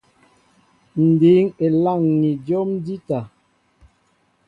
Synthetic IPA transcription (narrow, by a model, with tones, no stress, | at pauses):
n̩˨di˨˦ŋe˨la˦˨ŋːi˨do˦mdi˦ta˨